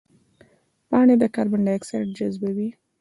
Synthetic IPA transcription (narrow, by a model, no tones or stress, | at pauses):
pɑɳed̪əkɑɾbaɳɖaaksaʈd͡ʒazbawi